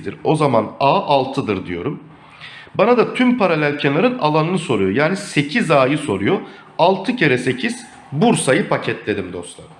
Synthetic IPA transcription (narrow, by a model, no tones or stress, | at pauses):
d̪iɾo̞zamanaːʔalˠt̪ʰɯd̪ɯɾd̪ijo̞̰ɾum | banad̪at̪ʰympʰaɾalʲælʲcʰɛnlˠaɾɯnalˠanɯnɯso̞ɾujo̞jaːnise̞cʰizaːjɯso̞ɾujo̞ | alˠt̪ʰɯcʰeɾɛse̞cʰiz̥ | buɾsajɯpʰacʰɛt̪lʲe̞d̪imd̪o̞st̪lˠa̰ɾ